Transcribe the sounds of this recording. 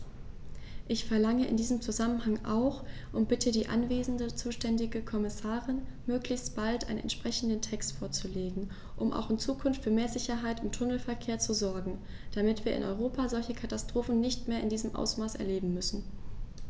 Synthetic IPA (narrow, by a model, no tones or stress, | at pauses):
ʔɪçfɛɐlaŋəʔɪ̰ndiːzəmt͡suzamənɦaŋʔa̰ʊxʔʊntb̥ɪtʰədiːʔa̰nveːzn̩dət͡suːʃtɛndɪɡəkʰɔmɪsaːʁɪnmøːklɪçstb̥altʔa̰ɪnənɛ̰ntʃpʁ̥ɛçn̩dəntʰɛkstfoːɐt͡suleːɡŋ̩ | ʔʊmʔa̰ʊxɪnt͡suːkʰʊnftfyːɐmeːɐzɪçɐɦaɪtʊmtʰʊnl̩fɛɐkʰeːɐt͡suzɔɐɡŋ̩ | d̥amɪtv̥iːɐʔɪ̰nʔɔ̰ʏʁ̞oːpazɔlçəkʰatastʁ̥oːfn̩nɪçtmeːɐɪndiːzəmʔa̰ʊsmaːsɛ̰ɐleːbm̩mʏsn̩